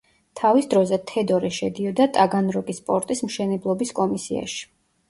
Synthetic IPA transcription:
t̪ʰavisd̪ɾɔzɛt̪ʰɛd̪ɔɾɛʃɛd̪iɔd̪at̪ʼaɡanɾɔkʼispʼɔɾt̪ʼismʃɛnɛblˠɔbiskʼɔmisia̰ʃi̥

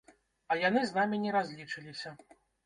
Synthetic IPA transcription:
ɐjanɨznamʲinʲɛɾazʲlʲit͡ʂɨlʲisʲɐ

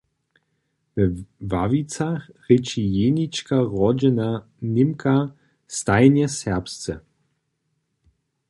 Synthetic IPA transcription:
vɛvavit͡saxʁɪt͡ʃijeːnit͡ʃkaʁɔd͡ʒɛna | nɪmkʰa | st̪ajnjɛsɛʁpst͡sɛ̰

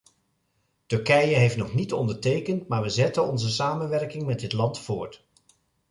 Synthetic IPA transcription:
tɵɹkɛjəɦejftnɔχnitɔndəɹtejkəntmaːɹʋəzɛtənɔnzəsaːmənʋɛɹkɪŋmɛdɪtlɑntfʊːɹt

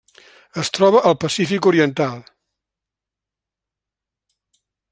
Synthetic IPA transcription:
əst̪ɾɔβəʔəlˠpəsifikuɾiənt̪alˠ

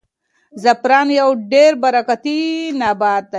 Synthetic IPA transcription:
zɐpɾaːnjɐwɖeɾbɐɾɐkat̪inaːbaːd̪̚t̪a

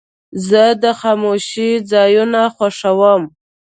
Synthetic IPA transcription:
zəd̪əxɑmoʃid͡zɑjunaxwaʂawəm

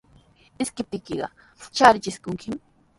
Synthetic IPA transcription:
ɪskɪp̚t̪ɪkɪɢɑ̰ | t͡ʃaɾɪt͡ʃɪskʊŋkʰɪm

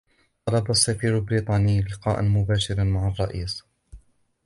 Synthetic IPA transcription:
t̪ˤɑlɑbasːafiːɾalbɾiːt̪ˤɑːnɪjːlɪqɑːʔa̰nmʊbaːʃɪɾmaʕɑrˤːɑʔiːs

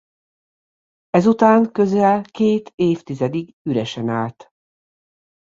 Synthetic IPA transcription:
ɛzut̪aːŋkø̞zɛlkeːt̪eːft̪izɛd̪iɡ | yɾɛʃɛnaːlt̪

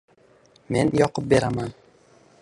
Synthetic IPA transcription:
me̞njɒqɤp̚be̞ɾaman

